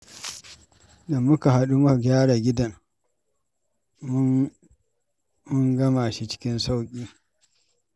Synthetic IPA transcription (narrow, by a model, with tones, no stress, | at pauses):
da˨mʊ˦ka˨ɦa˦ɗu˦ma˦˨ɡʲaː˦ɽa˨ɡʲɪ˦dɐ˨n˦ | mʊ˦ŋɡɐ˦ma˨ʃi˦t͡ʃɪ̥˦kʲɪ˦nsa˦wkʲʼiː˦